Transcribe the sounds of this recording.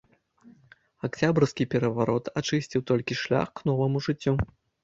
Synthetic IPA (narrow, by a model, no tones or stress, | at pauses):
akt͡sʲabɾskʲipʲɛɾɐvaɾɔt̪ʰat͡ʂɨsʲt͡sʲiwt̪ɔlʲkʲiʂlʲa̰xknɔvɐmuʐɨt͡sʲːu